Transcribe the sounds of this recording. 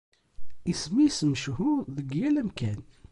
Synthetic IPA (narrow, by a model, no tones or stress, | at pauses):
ismisməʃhʊðəɡjælæmkæn